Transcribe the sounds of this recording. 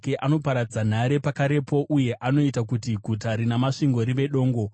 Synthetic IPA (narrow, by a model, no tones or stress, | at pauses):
keʔano̞paɾad͡zan̤aɾe̞pakaɾe̞po̞ʔuje̞ʔano̞itakutiɡʱutaɾinamaʂiŋɡo̞ɾiʋe̞ɗo̞ːŋɡo̞